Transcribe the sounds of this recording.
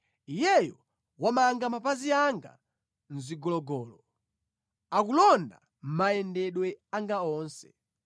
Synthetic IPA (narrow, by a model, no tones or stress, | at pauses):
ijɛjɔ | wamaŋɡamapaziaŋɡa̰ | n̩ziɡɔlɔɡɔːlɔ | akulɔnda | m̩majɛndɛɗwɛaŋɡaɔːnsɛ̥